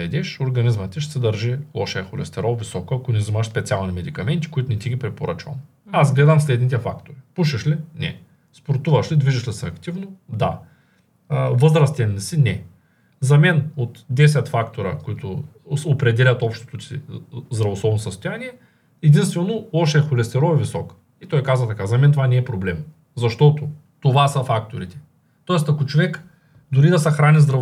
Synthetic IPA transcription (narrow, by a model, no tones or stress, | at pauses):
ɛd̪ɛʃoɾɡɐnizmɐt̪ʲiʃ̬sɛd̪ɐɾʒilˠɔʃɛːxolɛ̰st̪ɛɾɔvisɔkoɐkonʲɛzimaʃspɛt̪sʲialˠnʲimɛd̪ikɐmɛnt̪i̥kʊit̪ʊnɛt̪iɡʲipɾɛpoɾə̰t͡ʃvɐ̰m | azɡlɛd̪amslɛd̪nit̪ɛfakt̪oɾipuʃɐʃlinɛ̰ | spoɾt̪uvɐʃlid̪viʒɐʃlisɛɐkt̪ivnod̪a̰ | vəzɾɐst̪ʲɛnːisinɛ | zɐmɛnot̪d̪ɛs̬ʲɛt̪fakt̪oɾɐ̰koit̪ʊopɾɛd̪ɛlʲɐt̪ɔpʃt̪o̥t̪osḭzd̪ɾɐvoslˠɔbnosəst̪ojaniɛ | ɛd̪inst̪vɛnolˠɔʃɛxolɛst̪ɛɾɔvɛvisɔk | it̪ɔjkazvɐt̪ɐkazɐmɛnt̪ovanɛːpɾoblɛm | zɐʃt̪ɔt̪o | t̪ovasɐfakt̪oɾit̪ɛ̥ | t̪ɔɛst̪ɐkot͡ʃovɛk | d̪ʊɾid̪ɐsɛxɾanizd̪ɾɐ